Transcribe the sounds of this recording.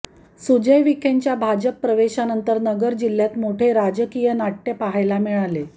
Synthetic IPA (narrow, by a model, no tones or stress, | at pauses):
sud͡ʑəjʋikʰeɲt͡ɕjabʱad͡ʑəpːɾəʋeɕanənt̪əɾnəɡəɾd͡ʑilːjat̪moʈʰeɾad͡ʑəkijənaʈːəpaɦajlamiɭale